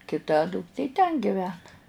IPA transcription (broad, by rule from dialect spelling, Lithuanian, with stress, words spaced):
kʲɪˈtɐ dʊkˈtʲeː tʲɛn ɡʲɪˈʋʲæːnɐ